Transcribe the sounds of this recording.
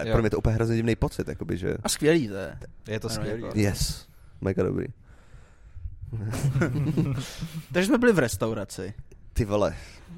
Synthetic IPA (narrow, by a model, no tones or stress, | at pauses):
pɾoɛmɲɛt̪oʔupəjɛɦɾozɲɛɟɪmnɛjpot͡sɪt̪ja̰kobɪʒɛ̰ʔaskvjɛliːt̪ɛjɛt̪oijɛs | mɛɡado̰bɾḭː | t̪aɡʒɛsmɛbɪlɪvɾɛst̪awɾat͡sɪt̪ɪvlɛ